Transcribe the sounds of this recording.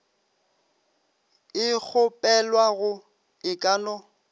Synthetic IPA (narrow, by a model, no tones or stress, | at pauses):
ɪk͡xʰʊpʼɛlwaɣʊ | ɪkʼanɔ